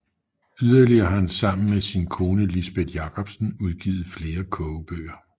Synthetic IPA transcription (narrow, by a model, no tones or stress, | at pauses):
yðˠɐliɐhænsɑ̈m̰n̩mesinkʰo̝ːnəlisb̥ed̥jɑ̈kʰɒ̽b̥sn̩uð̞ˠɡ̥ḭːð̞̩ˠfle̝ːɐkʰɔʊb̥ø̰ːɐ